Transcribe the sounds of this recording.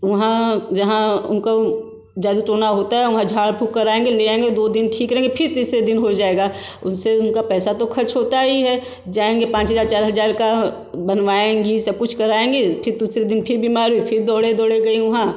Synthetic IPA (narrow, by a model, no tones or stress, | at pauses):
ʋɐɦãd͡ʒɐɦãʊnko | d͡ʒaːd̪utoːnaɦoːt̪aɦɛʋɐɦãd͡ʒʱaːɽpʰukkɐɾaːẽːŋɡeleãẽŋɡed̪oːd̪ɪnʈʰiːkɾɐɦẽːŋɡepʰɪɾt̪iːsɾed̪ɪnɦod͡ʒaːeːɡaːʊsseʊnkapɛːsat̪okʰɐt͡ʃʰɦoːt̪aɦiɦɛ | d͡ʒaːẽːŋɡepãːt͡ʃɦəzaːɾt͡ʃaːɾɦɐzaːɾka | bɐnʋaːẽɡisɐb̚kʊt͡ʃʰkɐɾaːẽːŋɡepʰɪɾd̪uːsɾed̪ɪnpʰɪɾbiːmaːɾuipʰɪɾd̪ɔːɽed̪ɔːɽeɡɐiʋɐɦã